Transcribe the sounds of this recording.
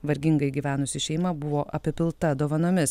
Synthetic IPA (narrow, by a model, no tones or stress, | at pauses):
ʋɐɾʲɡʲɪŋɡɐɪɡʲiːʋʲæːnʊsʲɪʃʲɛɪmɐbʊʋoːʔɐpʲɪpʲɪlˠt̪ɐd̪oːʋɐnoːmʲɪs